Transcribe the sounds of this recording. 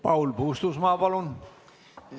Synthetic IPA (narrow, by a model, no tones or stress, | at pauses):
pɑwlpuːst̪usmɑːpɑlun